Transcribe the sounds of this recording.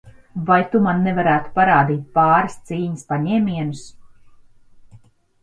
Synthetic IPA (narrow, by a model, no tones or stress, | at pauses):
vajt̪umanːɛvaɾæːt̪u̥paɾaːd̪iːt̪̚pɑːɾɨst̪siːɲəspaɲɛːmʲiɛnus